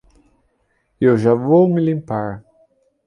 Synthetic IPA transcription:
ewʒavowmɪlĩmpaɾ

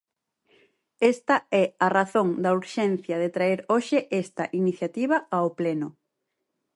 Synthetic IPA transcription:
est̪ɐɛaraθoŋd̪ɐuɾʃɛn̟θjɐðet̪ɾaeɾoʃeʔest̪ɐʔiniθjat̪iβɐaoplɛnʊ

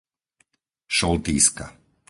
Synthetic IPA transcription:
ʃɔlt̪ḭːska̰

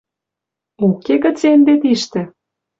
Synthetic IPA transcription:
okeɣə̆t͡send̪et̪iʃt̪ĕ

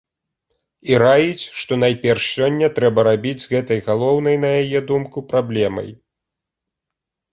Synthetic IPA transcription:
iɾajit͡sʲʂt̪ɔn̪ajpʲɛrʂsʲɔnʲːɐt̪ɾɛbɐɾabʲid͡zʲzɣɛt̪ɐjɣalˠɔwnɐjnɐjajɛd̪umkupɾablʲɛmɐ̰j

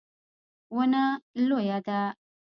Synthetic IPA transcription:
wənalojad̪a

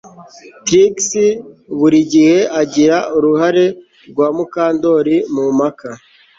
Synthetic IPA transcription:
tɾiksiβuɾiɟihe̞ʔaɟiɾauɾuhaɾe̞ | ɾɡwaːmukaːndo̞ɾimumaka

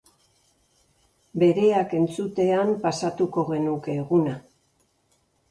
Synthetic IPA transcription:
be̞ɾe̞ake̞nt͡sut̪e̞ampasat̪uko̞ɣe̞nuke̞ːɣuna

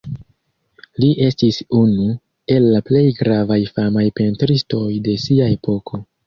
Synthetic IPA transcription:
liʔe̞stisunu | e̞lːaple̞jɡɾavajfamajpe̞ntɾisto̞jde̞siae̞pʰo̞kʰo̞

